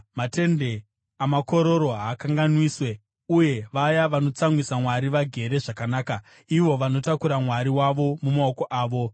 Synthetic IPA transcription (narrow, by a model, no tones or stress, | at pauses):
mate̞nde̞ | amako̞ɾo̞ɾo̞ɦaːkaŋɡanwiːswe̞ | uje̞ʋajaʋano̞t͡saŋwisamwaɾiʋaɡʱe̞ɾe̞ʐakanaːka | iʋo̞ʋano̞takuɾamwaɾiwaʋo̞mumaoko̞ʔaːʋo̞